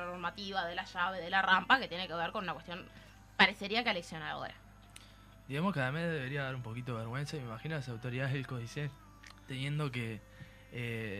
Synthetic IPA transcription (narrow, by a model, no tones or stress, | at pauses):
noɾmat̪iβaðelaʃaβeðelarampaket̪jeneke̞βeɾkonunakwet̪jon | paɾese̞ɾiakealeksjo̞naɾa̰o̰ɾa̰ | d̪iɣamohkeaðameðe̞βe̞ɾiaðaɾumpo̞kit̪oeβeɾɣwe̞nsaimemaxinolasawt̪o̞ɾiðaðeðelkoðise | t̪emje̞nd̪o̞ke | e